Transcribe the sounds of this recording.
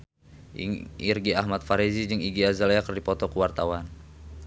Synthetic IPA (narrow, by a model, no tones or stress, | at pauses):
irɡiaɦmat̪̚faɾizid͡ʒɨŋiɡiazalakərdipɔt̪ɔkuwart̪awan